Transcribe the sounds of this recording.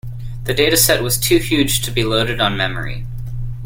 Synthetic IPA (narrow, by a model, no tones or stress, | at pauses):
ðɨdeɪɾɨsɛʔ̚wʌz̥tʰʉhjʉd̥ʒ̥tʰɨbiloʊɾɨɾn̩mɛmə̰˞ḭ